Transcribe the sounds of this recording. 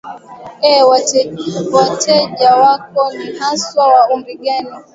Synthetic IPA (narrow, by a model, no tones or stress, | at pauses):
ɛwa | watʰɛʄawakɔnihaswawaumbiɡani